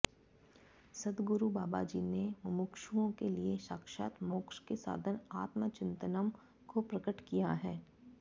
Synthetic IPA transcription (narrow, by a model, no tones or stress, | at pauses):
sɐd̪ɡʊɾubaːbad͡ʒineʋɪmʊkʃuõkelieʃaːkʃa̰ːt̪moːkʃkesa̰ːd̪ʱənaːt̪mət͡ʃɪ̃nt̪ənəm | kopɾɐkəʈkijaɦɛː